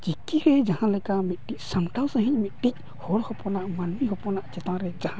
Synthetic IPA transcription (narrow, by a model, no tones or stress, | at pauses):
t͡ʃikːiɾɛd͡ʒahãlɛkamit̪̚ʈic̚samʈawsə̃ɦiɲ̚mit̪̚ʈic̚ | hɔɽhɔpɔnaʔmanmiɦɔpɔnaʔt͡ʃɛt̪ãɾɛd͡ʒahã